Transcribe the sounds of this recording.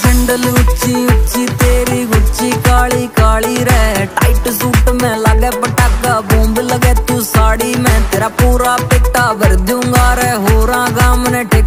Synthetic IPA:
d͡ʒɪɳɖəlʊt͡ʃĩːʊt͡ʃĩːt̪eːɾiːɡʊt͡ʃiːkaːɭiːkaːɭiːɾɛːʈaːɪʈsuːʈmɛ̃ːlaɡɛːpəʈakːaːbõːmbləɡɛːt̪uːsaːɽiːmɛ̃ːt̪eːɾaːpuːɾaːpɪʈaːʋəɾd̪õŋɡaːɾɛːɦoːɾãːɡaːmnɛ̃ːʈɪk

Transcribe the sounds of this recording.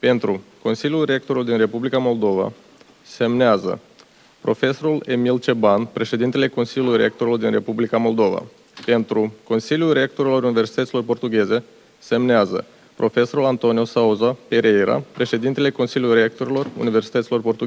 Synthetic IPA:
pe̞nt̪ɾuko̞nsilijulre̞k̚t̪o̞ɾuld̪inre̞publikamo̞ld̪o̞va̰ | se̞mneazə̰ | pɾo̞̰fe̞so̞ɾule̞milt͡ʃe̞banpɾe̞ʃe̞d̪int̪ele̞ko̞nsiljulujɾḛk̚t̪o̞ɾilord̪inre̞publikamo̞ld̪o̞va̰ | pe̞nt̪ɾuko̞nsilijulrek̚t̪o̞ɾilo̞ɾuniversi̥t̪ət̪silo̞rpo̞rt̪uɡʲe̞ze̞ | se̞mneazə̰ | pɾʔo̞fe̞so̞ɾulant̪o̞niusauzapeɾejɾa̰pɾe̞ʃe̞d̪int̪e̞le̞ko̞nsilʲiulrek̚t̪o̞ɾilo̞rṵnive̞rsi̥t̪ət̪silo̞rpo̞rt̪uɡʲ

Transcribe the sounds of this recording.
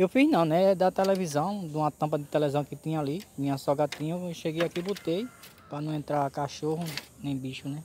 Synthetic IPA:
ewfiznɐ̃w̃nɛd̪ɐt̪ɛlɛvizɐ̃w̃d̪ũmɐt̪ɐ̃pɐd̪ɪt̪ɛlɛzɐ̃w̃kɪt̪ĩɲɐalimĩɲɐsɔɡat̪ĩɲɐʃeɡejakibot̪ej | pɾɐnɐ̃w̃ẽnt̪ɾaɾkaʃohʊnẽj̃biʃʊnɛ

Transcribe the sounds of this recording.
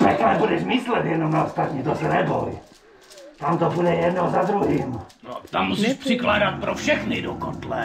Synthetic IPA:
t̪akt̪onɛbudɛʃmislɛd̪jɛd̪nomnaost̪at̪ɲiːt̪osnɛbo̰j | t̪amt̪obudɛjɛd̪nozad̪ɾuɦiːmno̰t̪amːusiʃpr̥ɪklaːdat̪̚pɾofʃɛxnɪdokont̪lɛ

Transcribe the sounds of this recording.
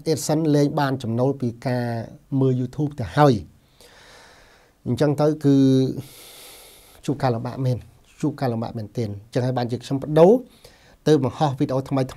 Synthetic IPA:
ʔeːt̪̚sənlɛːŋɓaːnt͡ɕɑmnoːlpiːkaːməːljuːt̪ʰuːp̚t̪ɛəhaəj | ɲt͡ɕəŋt̪ɨwkɨː | t͡ɕuːp̚kaːlomɓa̰ːʔmɛːn | t͡ɕuːp̚kaːlomɓa̰ːʔmɛːnt̪ɛənɲt͡ɕəŋhaəjɓaːnt͡ɕiəkʰɲompə̆ɗoː | t̪ɨəːp̚ɓɑŋhɑhʋiːɗeʔoːt̪ʰməjt̪ʰ

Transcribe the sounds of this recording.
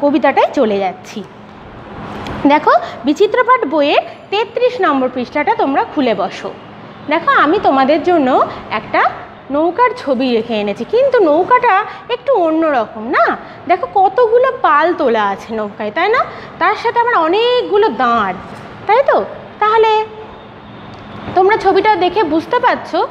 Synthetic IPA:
kobit̪̬aʈajt͡ɕoled͡ʑatːɕʰi | d̪ɛkʰobit͡ɕit̪ːɾobaɖbojet̪et̪ːɾiʃnɔmboɾpɾiʃʈaʈat̪omɾakʰulebɔʃo̰ | d̪ɛkʰoamit̪omad̪eɾd͡ʑonːoɛ̰kʈa | nowkaɾt͡ɕʰobiɾekʰeenet͡ɕʰikint̪unowkaʈaek̚ʈuonːoɾɔkomna | d̪ɛkʰokɔt̪oɡulopalt̪olaat͡ɕʰenowkajt̪ajnat̪aɾʃat̪ʰeamaɾɔnek̚ɡulod̪ãɽ | t̪ajt̪o | t̪aɦole | t̪omɾat͡ɕʰobiʈad̪ekʰebud͡ʑʱt̪epat̪ːɕʰo

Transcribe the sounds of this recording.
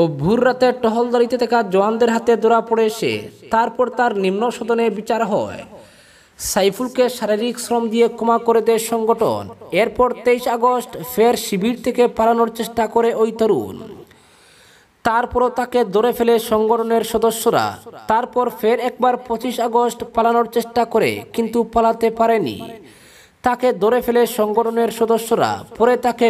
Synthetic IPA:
obʱuɾːat̪eʈɔɦold̪aɾit̪et̪ʰɛkad͡ʑɔand̪eɾɦat̪ed̪oɾapoɽeeʃḛt̪aɾpɔɾt̪aɾnimnoʃod̪onebit͡ɕaɾɦɔe | sajfʰulkeʃaɾiɾiksɾɔmd̪ijekomakoɾed̪eʃɔŋɡoʈo̰neɾpɔɾt̪ejʃaɡosʈfʰeɾʃibiɾt̪ʰekepaɾanoɾt͡ɕeʃʈakoɾeʔojt̪oɾṵn | t̪aɾpɔɾot̪aked̪oɾefeleʃɔŋɡoʈʰoneɾʃɔd̪oʃːoɾa̰t̪aɾpɔɾfʰeɾɛk̚baɾpot͡ɕiʃaɡosʈpalanoɾt͡ɕeʃʈakoɾḛkint̪upalat̪epaɾenḭ | t̪aked̪oɾefʰeleʃɔŋɡoʈʰoneɾʃɔd̪oʃːoɾa̰pɔɾet̪ake

